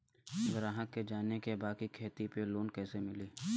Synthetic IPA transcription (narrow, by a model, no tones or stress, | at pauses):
ɐɡəɾãːɦəkːed͡ʒaːnekebaːkikʰeːt̪ipeloːnkɛːsemɪliː